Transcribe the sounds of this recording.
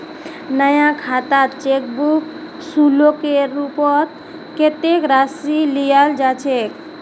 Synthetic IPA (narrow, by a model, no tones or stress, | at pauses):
nəjãkʰat̪at͡ʃek̚buk | sulokeɾupɔt̪̚ | ket̪ekɾasilijald͡ʒat͡ʃʰek